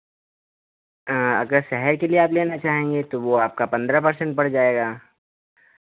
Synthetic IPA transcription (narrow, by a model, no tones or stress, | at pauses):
ɐ̰ɡəɾʃɛɦɛɾkelieaːpleːnat͡ʃaːɦẽːŋɡet̪oʋoaːp̚kapɐ̃nd̪ɾapɐɾsɛ̃ɳʈ̚bɐɽ̤d͡ʒaːeːɡaː